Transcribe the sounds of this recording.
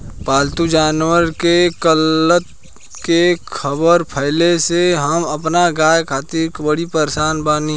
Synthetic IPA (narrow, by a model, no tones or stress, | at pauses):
paːlt̪ud͡ʒaːnwəɾkekələt̪ | kekʰəbəɾpʰəɪleseɦɐmɐpnaɡaːjkʰaːt̪iɾkbəɽipəɾsaːnbaːni